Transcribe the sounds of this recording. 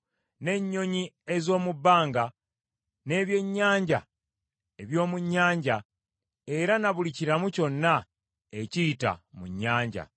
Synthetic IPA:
ne̞ɲːo̞ɲie̞zo̞ːmubːaːŋɡa | ne̞ːβje̞ɲːaːɲɟa̰ | e̞βjo̞ːmuɲːaːɲɟa | e̞ɾanaβuliciɾamuco̞nːa | ecita̰muɲːaːɲɟa̰

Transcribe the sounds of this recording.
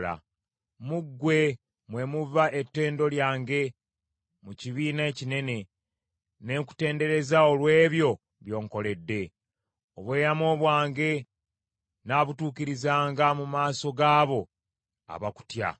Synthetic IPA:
la̰ | muɡːwe̞ | mwe̞muvaʔetːe̞ːndo̞ljaːŋɡe̞ | muciβiːnaecine̞ne̞ | ne̞ku̥te̞ːnde̞ɾe̞zaolwe̞ːβjo̞ | βjo̞ːŋko̞le̞dːe̞ | oβwe̞ːjamo̞ːβwaːŋɡe̞ | naːβutuːkiɾizaːŋɡamumaːso̞ɡaːβo̞ | a̰βaku̥tja̰

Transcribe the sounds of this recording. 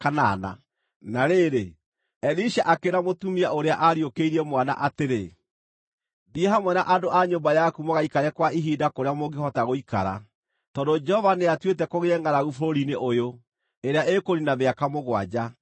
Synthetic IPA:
kana̰na̰ | naɾeɾe | ɛliʃaʔakeɾamotumiaoɾeaʔaɾiokeiɾɛmwana̰ʔateɾe | ðieɦamwɛnaʔadoʔaɲombajakumoɣaikaɾɛkwaiɦidakoɾeamoɡehɔtaɣoika̰ɾa̰ | tɔdod͡ʒɛhɔvaneatwet̬ɛkoɣeɛŋɡaɾaɣufoɾoɾineʔojo | eɾeaʔekoɾinameakamoɣwa̰d͡ʑa

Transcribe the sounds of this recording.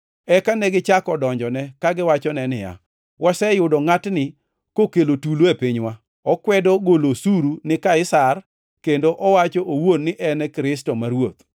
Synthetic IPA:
ɛkanɛɡɪt͡ʃakɔdɔɲd͡ʒɔnɛkaɡɪwat͡ʃɔnɛnɪja̰ | wʔasɛjʊdɔŋatnɪ | kokelotuloepɪɲwa | ɔkwɛdɔɡolosuɾunɪkaɪsar | kendoʔɔwat͡ʃɔʔowonːɪʔɛnɛkɾɪs̬tɔmaɾwot̪

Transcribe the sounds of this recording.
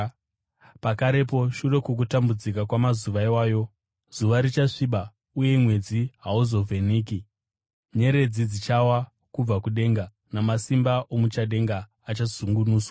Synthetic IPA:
pakaɾe̞po̞ʃure̞kuk̬utambud͡zikakwamazuʋaiwaːjo̞ | z̥uʋaɾit͡ʃaʂiɓa | uje̞mwe̞d͡ziɦauzo̞veniːki | ɲe̞ɾe̞d͡zid͡zit͡ʃawa | kub͡vakuɗe̞ːŋɡa | namasimbaʔomut͡ʃaɗe̞ŋɡaː | t͡ʃazuŋɡunuːswa

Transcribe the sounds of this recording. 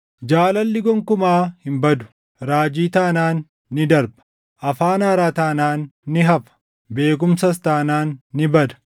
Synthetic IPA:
d͡ʒaːlɐlːɪɡɔŋkʊmaːhɪmbɐd̪ʊ̥ | ɾaːd͡ʒiːt̪aːnaːnː | ɪd̪ɐɾbɐ̥ | ʔɐfaːnaːɾaːt̪aːnaːnːɪɦɐfɐ̥ | be̞ːk̬ʊmsɐs̬t̪aːnaːnːɪbɐd̪ɐ̥

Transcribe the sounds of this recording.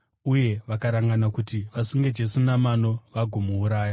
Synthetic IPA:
uje̞ʋakaɾaŋɡanakutiʋasuŋɡed͡ʒe̞sunamano̞ʋaɡʱomuːɾaːja

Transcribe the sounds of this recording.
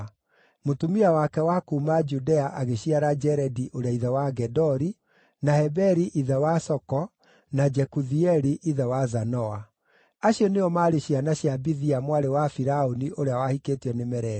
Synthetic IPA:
motumiawakɛwakuːmad͡ʒudɛaʔaɣeɕiaɾad͡ʒɛɾɛdiʔoɾeaiðɛwaɡɛdɔɾi | nahɛbɛɾiʔiðɛwasɔkɔ | nad͡ʒɛkuðiɛɾiʔiðɛwazanɔa | aɕiɔneɔmaːɾeɕianaɕjabiðiamwaɾewafiɾaoniʔoɾeawahiketiɛnemɛɾɛ

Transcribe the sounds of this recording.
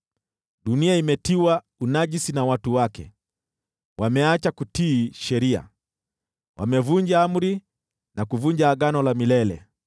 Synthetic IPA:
ɗuniaimɛtiwa | unaʄisinawatuwakɛ̰ | wʔamɛat͡ʃakutiːʃɛɾia̰ | wʔa̰mɛvuɲd͡ʒaam̩ɾi | nʔakuvuɲd͡ʒaːɠanɔlamilɛlɛ̰

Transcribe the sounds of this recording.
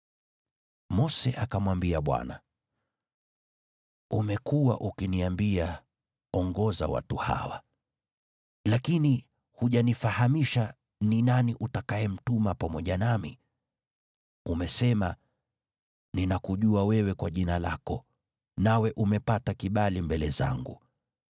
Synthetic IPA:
mɔsɛʔakamwambiaɓwa̰na̰ | umɛkuwa̰ʔukiniambia | ɔŋɡɔza̰wa̰tuha̰wa̰ | lakini | huʄanifahamiʃa | ninaniʔutakaɛm̩tumapamɔʄanami | umɛsɛma | ninakuʄuawɛwɛkwaʄinalakɔ | nawɛʔumɛpatakiɓalimbɛlɛza̰ŋɡṵ

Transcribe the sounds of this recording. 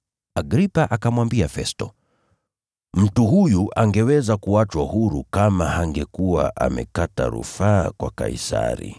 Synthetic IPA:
aɡɾipaʔakamwambiafɛstɔ | m̩tuɦujuʔaŋɡɛwɛzakuat͡ʃwahuɾukamahaŋɡɛkuwa̰ʔa̰mɛ̰kata̰ɾṵfaːkwaka̰isa̰ɾḭ

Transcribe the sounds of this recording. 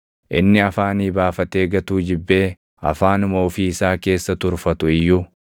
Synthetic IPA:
ʔɪnːɪɐfaːniːbaːfɐt̪e̞ːɡɐt̪uːd͡ʒɪbːe̞ː | ɐ̰faːnʊmo̞ːfiːɪsaːke̞ːsːɐt̪ʊɾfɐt̪ʊɪjːuː

